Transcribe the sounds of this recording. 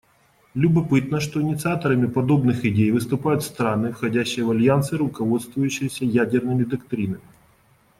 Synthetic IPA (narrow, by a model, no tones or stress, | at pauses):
lʲʊbɐpɨt̪nəʂt̪o̞ɪnʲɪt̪sɨat̪əɾəmʲɪpɐd̪o̞bnɨxɪdʲejvɨst̪ʊpajʊt̪fst̪ɾanɨfxɐdʲæɕːɪjəvɐlʲjant̪sɨɾʊkɐvo̞t̪st̪vʊjʉɕːɪjəsʲəjædʲɪrnɨmʲɪd̪ɐkt̪ɾʲinəmʲɪ